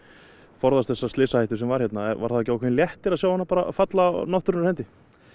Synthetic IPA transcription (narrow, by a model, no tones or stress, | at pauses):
fɔɾðast̪θɛsːast̪lɪsahajht̪ʏsɛmvaɾ̥çjɛt̪naɛva̰ɾθaðɛcːawkʰvɛnːljɛht̪ɪɾaðsjaːwahanːapaːɾa̰fat̪lanɔht̪ʏɾnʏɾhɛnt̪ɪ